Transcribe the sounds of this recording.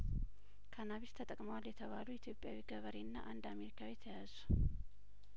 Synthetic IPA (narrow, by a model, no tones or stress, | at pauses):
kʰanaβist̪ʰət̪ʼəkʼməwaljɛt̪ʰəβaluit̪ʰjo̞pʼjawiɡəβəɾiɨnːa̰ʔand̪ame̞ɾikʰawijɛt̪ʰəjazu